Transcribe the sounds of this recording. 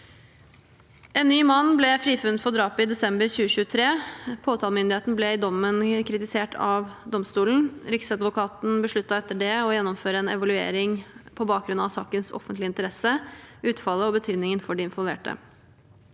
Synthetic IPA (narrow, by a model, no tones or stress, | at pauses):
ɛːnnːyːmɑnːblɛfɾiːfʉnt̪fɔɖɾɑːpɪd̪ɛsɛmbəɾçʉːəɕʉːət̪ʰɾeːpʰoːt̪ʰɑːlmʏnd̪ɪheːt̪n̩blɛɪd̪ɔmːənkʰɾɪt̪ɪseːʈʰɑ̰ʋd̪ɔmst̪uːlən̩ɾɪksɑd̪ʋʊkʰɑːt̪n̩bəʂɭʉt̪ːɑɛt̪ːəɖɛɔjɛnːɔmføːɾəɛnɛ̰ʋɑlʉḛːɾɪŋpʰɔbɑːkɡɾʉnɑʋsɑːkənsɔ̰fənt̪lɪnt̪əɾɛsəʉːt̪fɑlːəɔbət̪ʰyːd̪nɪŋənfɔɖɪɪnʋɔlˠʋḛːʈə̰